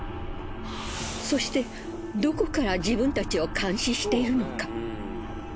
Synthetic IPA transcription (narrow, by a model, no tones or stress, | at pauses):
so̞ɕi̥t̪e̞ | d̪o̞ko̞kaɾad͡ʑibɯ̟̃nt̪at͡ɕio̞kʰãɰ̃ɕĩɕi̥t̪e̞iɾɯ̟no̞ka